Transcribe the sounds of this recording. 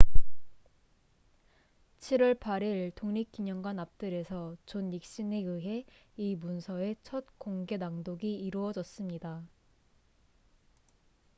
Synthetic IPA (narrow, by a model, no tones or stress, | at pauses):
t͡ɕʰiɾʌɭpʰaɾiɭtoŋɲik͈iɲʌŋɡwanap̚t͈ɯɾe̞sʰʌt͡ɕonik̚ɕ͈ineɯɦe̞imunsʰʌe̞t͡ɕʰʌt̚koŋɡe̞naŋdoɡiːɾuʌd͡ʑʌs͈ɯmɲida